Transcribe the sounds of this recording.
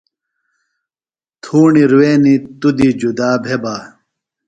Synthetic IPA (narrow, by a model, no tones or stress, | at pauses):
t̪ʰuːɳiɾuweːnit̪ud̪id͡ʑud̪aːbʱebaː